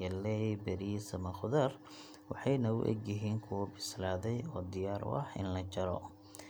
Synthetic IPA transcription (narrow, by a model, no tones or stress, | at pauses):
ɐlːɛjbɐɾisɐmɐχʊðɐr | wɑħɑjnɐʊ̰ʔɛ̰ɡjɪɦiːŋkʰʊwbɪslaːðɛjɔːd̪ɪjaːɾʔʊ̰ʔɑħɪ̰nlɐt͡ʃɐɾɔ